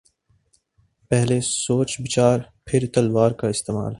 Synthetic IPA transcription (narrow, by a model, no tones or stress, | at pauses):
pɛɦlesoːt͡ʃbɪt͡ʃaːɾpʰɪɾt̪ɐlwaːɾkaɪst̪eːma̰ːl